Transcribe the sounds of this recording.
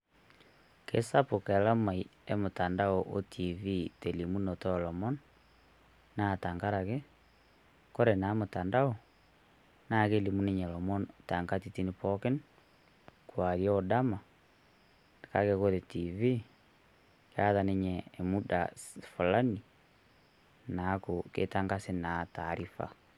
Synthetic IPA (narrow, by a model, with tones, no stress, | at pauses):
kḛ˨sa˦po˨kɛ˨la˦ma˨i˨e˦mo˨ta˨nda˦oʔo˦tʰi˨vi˦te˨li˨mu˦no˨tɔ˦˨lɔ˨mɔ˦n | na˦˨ta˨ŋɡa˦ɾa˨ɣe˦ | ko˦ɾe˨na˨˦mo˨ta˨nda˦o˨ | na˦˨ke˦li˨mu˦ne˦ɲɛ˨lɔ˨mɔ˦nta˨ŋɡa˦titi˦ni˨pɔ˦kɛ˦n | kwa˨ɾjɔ˦ɔ˨da˦ma˨ | ne˨ka˦keko˦ðe˨ti˨vi˦ | kea˦ða˨ne˦ɲɛː˨mu˦da̰fo˨la˦ni˨ | na˨˦ko˨kḛ˦ta˦ŋɡa˦se˦na˨ta˨ɾi˦fa̰